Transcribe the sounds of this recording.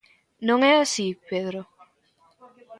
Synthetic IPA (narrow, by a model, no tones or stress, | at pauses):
nõŋeasipeðɾo